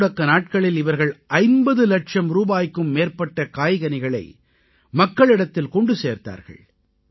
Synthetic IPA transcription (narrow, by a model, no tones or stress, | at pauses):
ɽɐkːɐnaːʈ̚kɐɭɪlɪʋɐɾɣɐɭʔɐɪmbɐðɯlɐʈʂɐmɾuːbaːjkːɯmːeːɾpɐʈːɐkaːjɣɐnɪɣɐɭɐ̰ɪ | mɐkːɐɭɪɽɐt̪ːɪlkɔɳɖɯseːɾt̪a̰ːɾɣɐ̰ɭ